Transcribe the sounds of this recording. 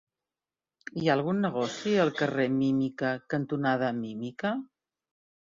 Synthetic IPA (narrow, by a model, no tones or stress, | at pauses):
iaəlˠɣ̞unːəɣ̞ɔsiəlˠkəremimikəkənt̪unað̞əmimikə